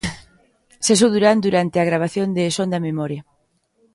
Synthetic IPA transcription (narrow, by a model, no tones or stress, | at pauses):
ses̬owðuɾand̪uɾant̪ɪaɣɾaβ̞aθjond̪esond̪ɐmemɔɾjɐ